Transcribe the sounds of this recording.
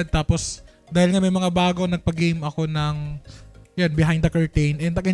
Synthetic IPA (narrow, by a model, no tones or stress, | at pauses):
d̪̚t̪aːpos | d̪aːhɪlŋɐmɐjmɐŋabaːɡonɐɡ̚pɐɡemʔɐko̞nɐŋ | jonbɪɦajnd̪d̪ɐkɐɹt̪ejnʔɛnt̪ɐɡɪ